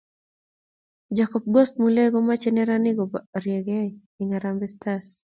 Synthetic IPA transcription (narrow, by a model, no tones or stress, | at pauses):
d͡ʒakɔp̚ɡɔst̪muleɡɔmat͡ʃɛnɛɾanɪɡɔbaɾjɛɡɛ | iŋaɾambɛstas